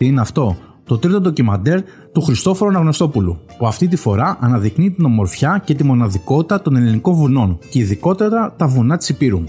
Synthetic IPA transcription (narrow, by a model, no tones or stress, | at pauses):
iineɐft̪o̞ | t̪o̞t̪ɾit̪o̞d̪o̞cimɐnd̪e̞ɾ | t̪uxɾist̪o̞fo̞ɾonɐɣno̞st̪o̞pulṵpuɐft̪it̪ifo̞ɾɐʔɐnɐðiknit̪ino̞mo̞ɾfçɐce̞t̪imo̞nɐðiko̞t̪i̥t̪ɐt̪o̞ne̞liniko̞ɱvuno̞nce̞iðiko̞t̪ɐɾɐt̪ɐvunɐt̪i̥sipiɾun